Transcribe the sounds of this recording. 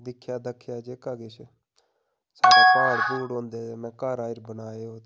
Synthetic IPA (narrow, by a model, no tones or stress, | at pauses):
d̪ɪkʰːjaːd̪əkʰːjaːd͡ʒeːkaːɡeʃ | saːkaːɾbuːɽɦõːnd̪eːmɛ̃ːkaːɾaːɪɾbənaːeːɦoːt̪